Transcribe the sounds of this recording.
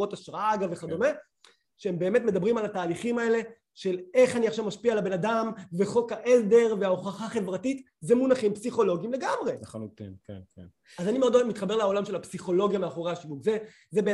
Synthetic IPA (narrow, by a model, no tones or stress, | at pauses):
o̞taʃʁaaɡaveχado̞me | ʃeembe̞ːme̞tme̞d̪abʁimalataːliχimae̞le̞ | ʃe̞le̞χaniaχʃavmaʃpialabenadamve̞χo̞kaʔezd̪e̞ʁveaoχaχaχe̞vʁatit | zemunaχimpsiχo̞lo̞ɡimle̞ɡamʁe̞χanut̪ḭmkḛnkḛn | azanimeod̪oemit̪χabeleao̞lamʃe̞lhapsiχo̞lo̞ɡjameaχo̞ʁehaʃivukze | zebe